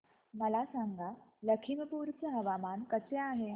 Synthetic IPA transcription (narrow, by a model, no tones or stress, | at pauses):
mɐlaːsãːŋɡaləkʰiməpuːɾt͡səɦɐʋaːmaːnkət͡sjaːɦe